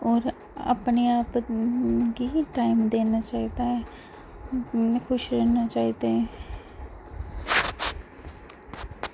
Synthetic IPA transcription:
ɔːɾ | ə̰pneaːp | kiʈaːɪmd̪eːnat͡ʃaːɦit̪aɦɛ | kʰʊʃɾɛːnat͡ʃaːɦit̪eɦɛ̃

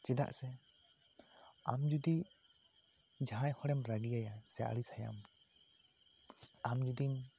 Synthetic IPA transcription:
t͡ʃɛd̪a̰ʔsɛ | a̰md͡ʒud̪i | d͡ʒaajhɔɽɛmɾaɡiajasɛa̰ɽisaja̰m | amd͡ʒud̪im

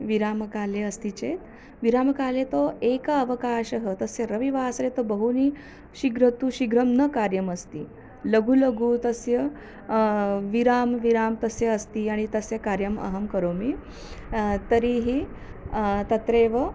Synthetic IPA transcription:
ʋiɾamkaleəst̪it͡ɕet̪ | ʋiɾamkalet̪oekəəʋəkaːɕəɦət̪əsjəɾəʋiʋaːsɾet̪obəɦuni | ɕiɡɾət̪uːɕiɡɾəmnəkaɾjəməst̪iː | ləɡʱuləɡuːt̪əsjə | ʋiɾaːmʋiɾaːmt̪əsjəːst̪iːaɽ̃it̪əsjɐkaɾjəmɐ̰ɦəmkəɾomi | t̪əɾiɦiː | t̪ɐt̪ɾeʋə

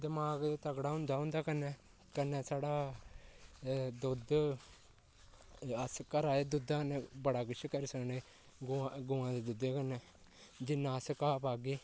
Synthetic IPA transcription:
d̪əmaːɡd̪eːt̪əɡɽaːɦʊ̃nd̪aːɦʊ̃nd̪aːkənːɛ̃ː | kənːɛːsaːɽaː | d̪ʊd̪ | əskəɾaːeːd̪ʊd̪aːkənɛ̃ːbəɽaːkət͡ʃʰkəɾisəkneː | ɡʊãɡʊãːd̪eːd̪ʊd̪eːkənɛː | d͡ʒɪnːãːəskaːpaːɡeː

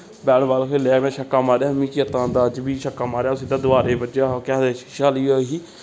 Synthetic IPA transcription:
bɛːɽbaːlkʰoːlɛːkmɛ̃ːʃəkːãːmaːɾaːmĩːt͡ʃiət̪ãːd̪aːd͡ʒbiːʃəkːãːmaːɾejaːsid̪aːd̪ʊaːɾeːbəd͡ʒaːkaːd̪eːʃʃaːliːoːɦiː

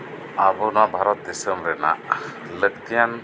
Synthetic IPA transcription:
abɔnɔwaʔbʱaɾɔt̪̚d̪isəmɾɛna̰ʔ | ləkt̪ijan

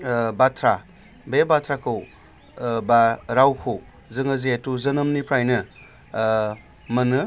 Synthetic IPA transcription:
batʰɾa | bebatʰɾakʰɯw | baɾawkʰɯw | zɯŋɐzeetuzɐnɐmnipʰɾajnɯ | mɐnɯ

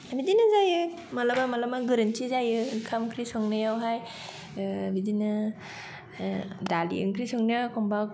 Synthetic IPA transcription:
bidinɯzajɯ | malabamalamaɡɯɾɯntizajɯkʰamkʰɾisɔŋnɯjawɦaj | bidinɯ | dalḭɯ̰ŋkʰɾisɔŋnijakɔmba

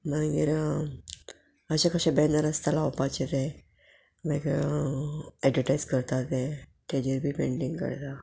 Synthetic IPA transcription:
maɡḭɾ | əɕakəɕãbɛnd̪əɾəst̪alawpat͡ɕit̪ɛ | mə̃ɡiɾ | ɛɖʋəʈajd͡zkəɾt̪at̪eʈed͡ʑiɾbʱiːpeɳɖiŋɡkə̰ɾt̪a

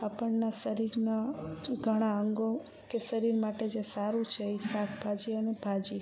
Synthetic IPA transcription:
apəɳnasəɾiɾnaɡʱəɽ̃aəŋɡo | kesəɾiɾmaʈed͡ʒesaɾũt͡ʃʰeisakʰbʱad͡ʒiənebʱad͡ʒi

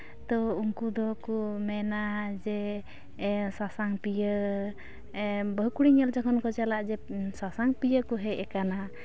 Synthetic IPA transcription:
t̪ɔuŋkud̪ɔkɔmɛnad͡ʒɛ | sasaŋpijə | bəɦkuɽiŋɛld͡ʒakʰɔnkɔd͡ʒalaʔd͡ʒɛsasaŋpijəkɔɦɛɛkana

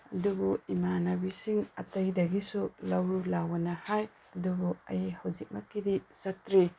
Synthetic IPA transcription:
ɐdubuimanɐbisiŋɐ̰tɐjdɐɡisulɐwɾulawɐnɐhaj | ɐdubuɐ̰jihɐwzik̚mɐkːidisɐtɾi

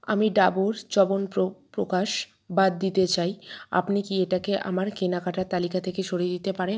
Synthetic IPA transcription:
a̰miɖaboɾd͡ʑɔbonpɾopɾo̰kaʃ | bad̪ːit̪et͡ɕaja̰pnikieʈakeʔa̰maɾkenakaʈaɾt̪alikat̪ʰekeʃoɾid̪it̪epaɾe

